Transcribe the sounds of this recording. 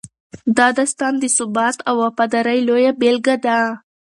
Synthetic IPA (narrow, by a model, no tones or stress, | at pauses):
d̪ɑd̪ast̪ɑnd̪əsʊbɑt̪awapad̪aɾajlojabelɡad̪a